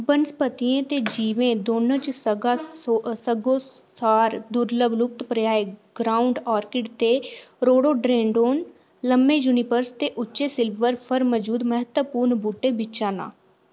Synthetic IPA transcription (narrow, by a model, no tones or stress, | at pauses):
bənspət̪iẽːt̪eːd͡ʒiːʋẽːd̪oːnõːt͡ʃsəɡasəɡoːsaːɾd̪ʊɾləblʊk̚t̪pɾɪjaːeɡɾaːʊɳɖaːɾkɪɖt̪eːɾoːɽoːɖɾeːɳɖoːn | ləmːeːjuːnɪpəɾst̪eːʔʊt͡ʃːʃeːsɪlʋəɾpʰəɾməd͡ʒuːd̪məɦət̪wəpuːɾɳbuːʈːeːbɪt͡ʃaːnã̰ː